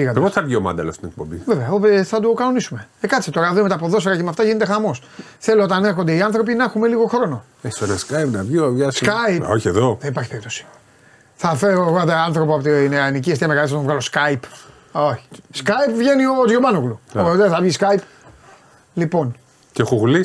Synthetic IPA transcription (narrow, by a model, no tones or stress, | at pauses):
iɣɐt̪epoθɐvʝiomɐ̰nd̪ɐ̰loɐfto̥t̪inek̚po̰bḭveveɐoeθɐd̪okɐno̞nisume̞ekɐt̪iset̪oɾɐvemeɐːpoðo̞seɾɐcemɐft̪ɐʝinet̪e̞xɐmo̞s | θe̞loot̪ɐneɾxo̞nd̪e̞iɐnθɾo̞p̬inɐexume̞liɣo̞xɾo̞no̞ | esenɐskajpnɐviovʝɐsskɐjpoçieðo̞ðenipɐɾçipeip̚t̪o̞si̥ | θɐfeɾoɣod̪ɐɐnθɾo̞p̬oɐpot̪iineaniciest̪ieɐmealisɐt̪ovɣɐlo̞skɐjp | oçi̥skɐjpvʝe̞niozʝobɐnoɣluot̪eθɐvʝiskɐip | lipo̞n | cexoɣlis